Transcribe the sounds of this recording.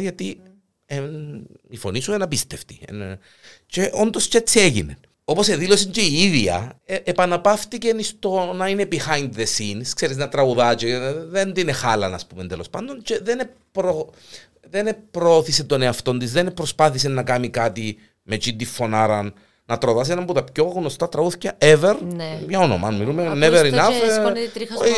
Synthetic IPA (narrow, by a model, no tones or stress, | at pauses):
ʝɐt̪i | e | ifo̞nisuenɐpist̪eft̪i̥ḛn | ceʔo̞nd̪oscet͡sːieʝḭnḛn | o̞po̞seðilo̞siɲceiiðiɐ̰epɐnɐpɐft̪icenist̪o̞nɐinebixɐjnd̪ðesinskseɾiznɐt̪ɾɐɣuðɐt͡ʃeðend̪inexɐlɐnɐspumend̪elo̞spɐnd̪o̞nt͡ʃe̞ðene | pɾo | ðenepɾooθiset̪oneɐft̪o̞nd̪izðenpɾospɐθisenːɐkɐmikat̪i | met͡ʃind̪ifːo̞naɾɐnː | ɐt̪ɾoðɐs̬enɐmbut̪ɐpcoɣnːost̪ɐt̪ɾɐɣuθi̥cɐeveɾnmɲɐono̰mɐ̰ɐnmilumeneveɾinɐfnɾ